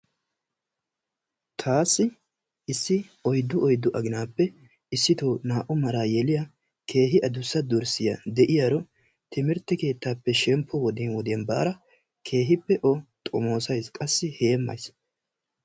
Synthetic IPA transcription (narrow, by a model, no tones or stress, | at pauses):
t̪ʰaːsːɪ | ɪsːɪɔjd̪ːʊʔɔjd̪ːʊʔɐɡɪnaːpːɛ | ɪsːɪt̪oːnaːʔʊmɐɾaːjɛlɪjɐ | kʰe̞ːɦɪʔɐd̪ʊsːɐd̪ʊɾsɪjɐ̰d̪ɛʔɪjaɾɔ | t̪ɪmɪɾt̪ːɪke̞ːt̪ːaːpːɛʃɛmpʰːɔwɔd̪ɪnwɔd̪ɛnba̰ːɾɐ | kʰe̞ːɦɪpːɛʔɔt̪ʼɔmo̞ːsɐjskʼɐsːɪhe̞ːmːɐ̰js